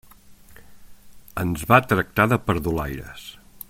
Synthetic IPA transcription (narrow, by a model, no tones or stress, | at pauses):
ənzβat̪ɾək̚t̪aðəpəɾðulajɾə̰s